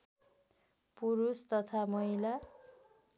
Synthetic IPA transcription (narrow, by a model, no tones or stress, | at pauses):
puɾust̪ʌt̪ʰamʌila